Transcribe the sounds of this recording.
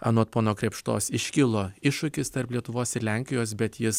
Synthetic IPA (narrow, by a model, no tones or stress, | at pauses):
ɐ̰noːt̪̚poːnoːkɾʲɛpʃt̪o̰ːsɪʃʲkʲɪlˠoːɪʃʊkʲɪst̪ɐɾplʲiɛt̪ʊʋoːsɪɾlʲæŋʲkʲɪjoːs̬bʲɛt̪jɪs